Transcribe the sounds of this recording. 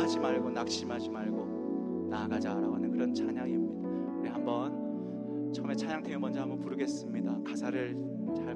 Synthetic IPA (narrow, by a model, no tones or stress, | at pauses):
ad͡ʑimaɭɡonak̚ɕ͈imɦad͡ʑimaɭɡo | naːɡad͡ʑaɾa̰ɡoɦanɯnkɯɾʌnt͡ɕʰaɲaŋiʌmɲid̥a | uɾiɦambʌn | t͡ɕʰʌme̞t͡ɕʰaɲaŋtʰejomʌnd͡ʑʌhambʌnpuɾɯɡe̞s͈ɯmɲidakasʰaɾɯɭ | t͡ɕaɭ